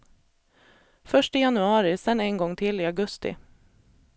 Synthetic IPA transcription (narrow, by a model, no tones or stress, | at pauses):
fœʂʈəjanɵɑːɾɪsɛnːɛŋɡɔŋːt̪ʰɪlːɪaɡɵst̪ɪ̰